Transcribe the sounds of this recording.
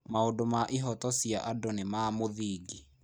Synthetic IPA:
maondomaʔiɦɔtɔsjaʔadonemamoðiːɡi

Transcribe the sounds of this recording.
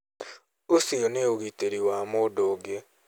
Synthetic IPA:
osioneoɣiteɾiwaːmodoːɡe

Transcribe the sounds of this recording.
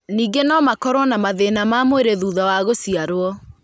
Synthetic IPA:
niːɡenɔmakɔɾɔnamaðenamaːmoeɾeðuːðawaɣosiaɾwɔ

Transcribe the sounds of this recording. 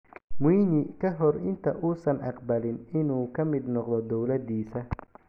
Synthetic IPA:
muːnɪkʰɐɦɔrɪnt̪ʰɐʔuːsɐnʔɑqbɐlɪnɪnuːkʰɐmɪd̪nɔqd̪ɔd̪ɔwlɐd̪iːsɐ

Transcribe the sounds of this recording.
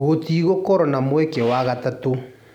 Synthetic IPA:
ɣotiɣokɔɾɔnamwekewaɣatato

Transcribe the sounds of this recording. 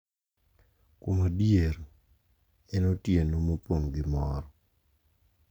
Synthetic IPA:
komadjeɾ | ɛnotjenomopoŋɡɪmɔɾɔ

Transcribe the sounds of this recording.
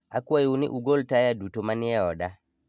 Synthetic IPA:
a̰kwajunḭʔuɡoltajadutomaniaɔda

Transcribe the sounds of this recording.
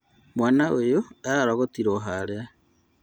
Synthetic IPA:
mwaːnaʔojoaɾaɾɔɣotiɾoɦaɾea

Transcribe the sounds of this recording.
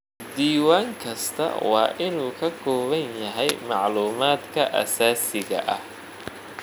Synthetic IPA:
d̪iːwaːŋkʰɐst̪ʰɐ̰wɑ̰ːʔɪnuːkʰɐkʰɔːβɐnjɐɦɛjmɑʕluːmaːd̪kʰɐʔɐ̰saːsɪɣɐ̰ʔɐ̰h

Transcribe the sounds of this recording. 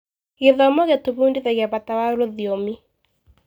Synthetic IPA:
ɣeðɔmɔɣetoβundiðeɣɛβatawaɾoðiomi

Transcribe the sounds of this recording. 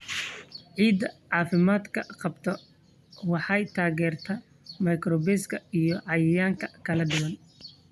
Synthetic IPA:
ʕiːd̪ɐʕɑːfɪmaːd̪kʰɐqɑbt̪ʰɔ | wɑħɑjt̪ʰaːɣɛːrt̪ʰɐ | mɐjkrɔbɛskʰɐijɔʕɑjɪjaːŋkʰɐkʰɐlɐɖɪwɐn

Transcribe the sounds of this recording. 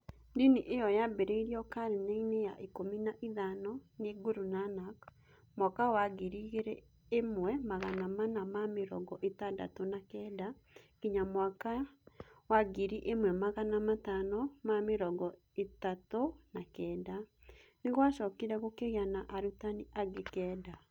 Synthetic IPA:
diniʔejɔjabeɾeiɾiɔkaɾeneinejaʔikominaʔiðanɔneɡoɾunanak | mwakawaɡiɾiɣeɾe | emwɛmaɣanamanamameɾɔ̰ɡɔʔetanda̰tonakɛːda | ɣiɲamwaka | waɡiɾiʔemwɛmaɣanamatanɔmameɾɔɡɔ | etatonakɛːda | neɣwaʃɔkiɾɛɣokeɣeanaʔaɾutaniʔaɡekɛːda

